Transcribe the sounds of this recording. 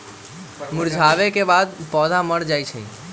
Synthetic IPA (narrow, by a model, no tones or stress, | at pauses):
muɾd͡ʒʱaʋekebad̪̚pɔd̪ʱaməɽd͡ʒajt͡ʃʰə̰̃